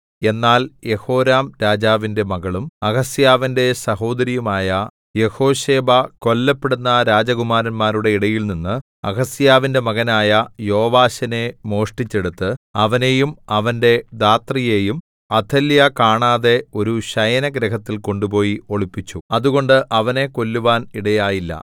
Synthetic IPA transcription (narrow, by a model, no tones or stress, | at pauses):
e̞nːaːlje̞ho̞ːɾaːmɾaːd͡ʑaːʋinde̞mɐɣɐɭumɐɣɐsjaːʋinde̞sɐɦo̞ːd̪ɐɾijumaːjɐ | je̞ho̞ːɕe̞ːbɐko̞lːɐpːeɽunːɐɾaːd͡ʑɐɡumaːɾɐnmaːɾuɽe̞iɽɐjilninːɨ | ɐ̰ɣɐsijaːʋinde̞mɐɣɐnaːjɐjo̞ːʋaːɕɐne̞mo̞ːʂʈit͡ɕːe̞ɽut̪ːɨɐʋɐne̞jumɐʋɐnde̞d̪aːt̪rije̞ːjum | ɐt̪ʰːɐljɐkaːɳaːðe̞o̞ɾuɕɐjɐnɐɡɾɐkɐt̪ːilko̞ɳɖupo̞ːjio̞ɭipːit͡ɕːuɐðuɣo̞ɳɖɨʔɐʋɐne̞ko̞lːuʋaːniɽɐjaːjilːɐ̰